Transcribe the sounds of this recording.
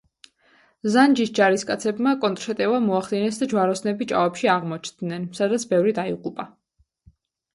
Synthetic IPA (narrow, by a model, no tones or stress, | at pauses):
zand͡ʒisd͡ʒaɾiskʼat̪sʰɛbmakʼɔnt̪ʼɾʃɛt̪ʼɛvamɔaχd̪inɛsd̪ad͡ʒwaɾɔsnɛbit͡ʃʼa̰vɛpʃiaʁmɔt͡ʃʰnd̪nɛnsad̪at̪sʰbɛvɾid̪aiqʼupʼa